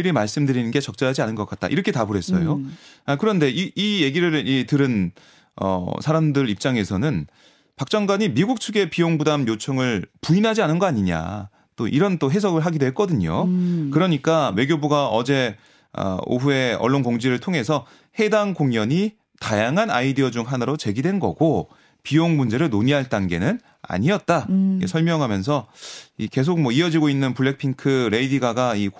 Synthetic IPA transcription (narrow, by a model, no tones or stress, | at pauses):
ɾimaɭs͈ɯmdɯɾinɯnɡe̞t͡ɕʌk̚t͡ɕ͈ʌɾɦad͡ʑianɯnɡʌk͈at̚t͈a̰ʔiɾʌkʰe̞tabuɾɦe̞s͈ʌ̰joakɯɾʌnde̞iije̞ɡiɾɯɭitɯɾɯn | ʌ̰sʰaɾamdɯɾip̚t͡ɕ͈aŋe̞sʰʌnɯn | pak̚t͡ɕ͈ʌŋɡwaɲimiɡuk̚t͡ɕʰuɡe̞pijoŋbudamjot͡ɕʰʌŋɯɭpuinɦad͡ʑianɯnɡʌaɲiɲa̰ | t͈oʔiɾʌnt͈oɦe̞sʰʌɡɯɭɦaɡidoɦek͈ʌdɯɲo̰kɯɾʌɲik͈awe̞ɡʲjobuɡaʌd͡ʑe̞ | ʌ̰o̰ɦue̞ʌ̰ɭːonkoŋd͡ʑiɾɯɭtʰoŋɦe̞sʰʌ | he̞daŋkoŋɲʌɲi | tajaŋɦana̰idiʌd͡ʑuŋɦanɯɾot͡ɕe̞ɡidwe̞nɡʌ̰ɡo | pijoŋmund͡ʑe̞ɾɯɭnoɲiɦaɭt͈anɡe̞nɯn | a̰ɲiʌt̚t͈aikesʰʌɭmjʌŋɦamjʌns̬ʰʌike̞s̬ʰok̚mwʌiʌd͡ʑiɡoinːɯnpuɭːe̞k̚pʰiŋkʰɯɾe̞idiɡaɡai